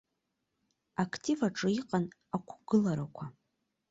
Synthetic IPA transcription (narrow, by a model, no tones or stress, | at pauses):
akʰtʰivaʈ͡ʂʼɨiqʼanakʷʰɡ̥ɨlaɾakʷʰa